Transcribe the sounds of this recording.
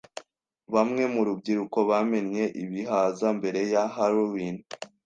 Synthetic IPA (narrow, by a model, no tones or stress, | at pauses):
βamŋe̞muɾub̚ɟiɾuko̞βame̞nɲe̞ʔiβiɦazambe̞ɾe̞jahaɾowin